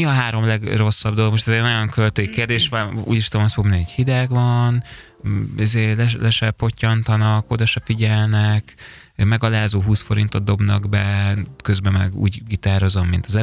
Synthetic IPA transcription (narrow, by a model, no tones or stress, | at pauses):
iɒɦaːɾo̞mlɛɡro̞sːɒbd̪oloɡmo̞ʃt̪ɛzɛnojoŋkølt̪eːkeːrd̪eːʃvɒnṵːɟiʃt̪omɒsfomniɛchid̪ɛɡvɒn | izeːlɛlɛʃɛfo̞cːɒnt̪ɒnɒko̞d̪ɒʃɛfiɟɛlnɛk | mɛɡɒlaːzoːɦuːsfo̞ɾint̪o̞d̪̚d̪o̞bnɒɡbɛkøzbɛmɛɡṵːɟɡit̪aːɾo̞zo̞mːint̪ɒzɛ